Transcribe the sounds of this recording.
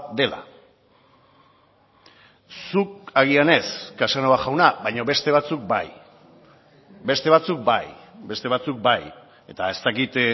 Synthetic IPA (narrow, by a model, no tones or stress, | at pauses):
d̪e̞la̰ | suk̚aɣ̞iane̞skasanoaʝawnaβajɲo̞βe̞st̪e̞β̞at͡suk̚ba̰j | be̞st̪e̞β̞at͡suk̚bajbe̞st̪e̞β̞at͡suk̚baj | e̞t̪ae̞st̪akit̪